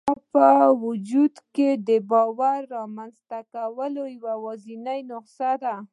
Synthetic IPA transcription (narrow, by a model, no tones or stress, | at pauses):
pəwʊd͡ʒud̪ked̪əbɑwaɾːɑmanzt̪akawəlojawawɑzinajnʊqsad̪a